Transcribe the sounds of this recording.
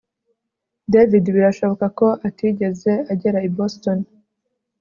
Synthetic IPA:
devidβiɾaʃo̞βo̞kako̞ʔatiɟe̞ze̞aɟe̞ɾaiboston

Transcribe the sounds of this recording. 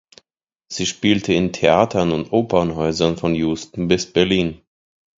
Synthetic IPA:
z̥iːʃpiːltʰəɪntʰeaːtʰɐnʊntʔoːpʰɐnɦɔʏzɐnfɔnjuːstn̩bɪsb̥ɛɐliːn

